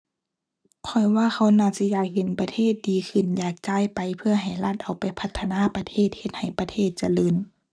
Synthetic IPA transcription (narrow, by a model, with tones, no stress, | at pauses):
kʰɔ˧˩jwaː˧˥˨xa˧˥˩wnaː˧˩si˧˦˨jaː˧˩k̚he˨˧˨npa˧t̪ʰeː˧˥˨t̪̚diː˨˦xʰɯ˧˩njaː˨˩k̚t͡ɕaː˧˥˨jpa˨jpʰɯ˧ɐɦa˨˩jla˧˩t̪̚ʔa˨wpa˨jpʰa˧t̪ʰːa˧naː˧˥˨pa˧t̪ʰeː˧˥˨t̪̚he˧t̪̚ha˨˩jpa˧t̪ʰeː˧˥˩t̪̚t͡ɕa˧lɤː˧˥n